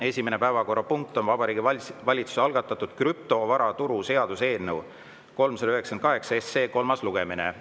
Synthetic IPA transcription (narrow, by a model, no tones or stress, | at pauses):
e̞sʲimenepæevɑko̞rːɑpuŋk̚t̪o̞nvɑbɑɾiːɡiɑvɑlʲit̪su̥seɑlɡ̥ɑt̪ːˑɑt̪ːˑud̪̥kryp̚t̪o̞vɑɾɑt̪uɾuse̞ɑd̪̥use̞ːlnew | ko̞lmselyɦeksenkɑɦe̞ksɑesːe̞ːko̞lmɑsluɡ̥e̞minḛ